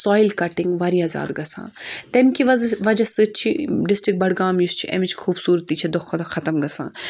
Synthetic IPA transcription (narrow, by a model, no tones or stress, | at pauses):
sɔːjilkɐʈɪŋɡʋɐɾiɐːza̰ːd̪ɡɐsã̰ːt̪emkiʋɐʋɐd͡ʒɐsɨt͡ʃʰiɖɪsʈɾɪk̚bɐɽɡaːmjust͡ʃʰiʔɐ̰mit͡ʃʰkʰuːbsuːɾt̪ːiːt͡ʃʰɐd̪ɔkʰːod̪oxʰɐt̪ɐmɡɐsã̰ː